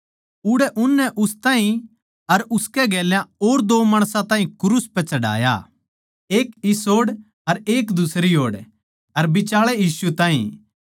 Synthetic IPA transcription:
ʊɽɛʔʊnːɛʔʊst̪ãːɦĩ | ɐɾʊskɛɡɛːljãoːɾd̪oːmaːɽ̃sãt̪aːɦĩkʊɾuspɛt͡ʃɐɽa̰ːja̰ | eːkɪsoːɽ | ɐɾeːkd̪ʊsɾiɦoːɽ | ɐɾbɪt͡ʃaːɭɛjiːsuɛt̪ãːɦḭ̃

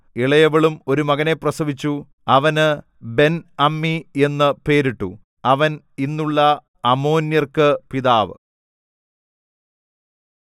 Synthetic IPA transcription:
iɭɐjɐʋɐɭumo̞ɾumɐɣɐne̞prɐsɐʋit͡ɕːu | ɐʋɐnɨ | be̞nɐmːie̞nːɨpe̞ːɾiʈːṵ | ɐʋɐn | inːuɭːɐ | ɐmoːnjɐrkɨpiðaːʋɨ̰

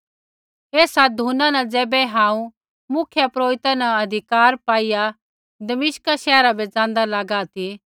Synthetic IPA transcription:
eːsad̪ʱunanɐd͡zɛːbɛɦãːũ | mʊkʰjapɾoːɾɪt̪anaɐd̪ʱɪkaːɾpaːija | d̪ɐmɪʃkaʃɛːɾabɛd͡zãːnd̪alaɡat̪i

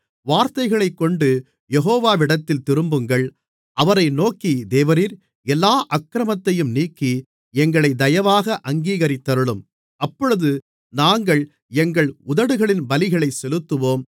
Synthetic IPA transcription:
ʋaːɾt̪ɐɪɣɐɭɐɪkːɔɳɖɯ | jɛɣoːʋaːʋɪɽɐt̪ːɪlt̪ɪɾɯmbɯŋɡɐɭ | ʔɐʋɐɾɐɪnoːkid̪eːʋɐɾiːɾ | ɛlːaːʔɐkːɾɐmɐt̪ːɐjɯmniːkːi | ɛŋɡɐɭɐɪd̪ɐjɐʋaːɣɐʔɐŋɡiːɣɐɾɪt̪ːɐɾɯɭɯm | ɐpːɔɻɯðɯ | naːŋɡɐɭ | ɛŋɡɐɭʊðɐɽɯɣɐɭɪnbɐlɪɣɐɭɐɪsɛlɯt̪ːɯʋoːm

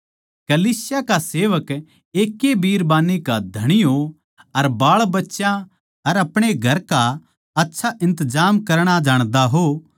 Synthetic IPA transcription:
kɐliːsɪjakaseːʋək | eːkːebiːɾbaːnːikad̪ʱɐɽ̃ɪjo | ɐɾbaːɭbɐtːʃjã | ɐɾɐpɽ̃eɡʱɐɾka | ɐtːʃʰaʔɪ̃nt̪əd͡ʒaːmkɐɾɽ̃ad͡ʒaːɽ̃d̪aɦo

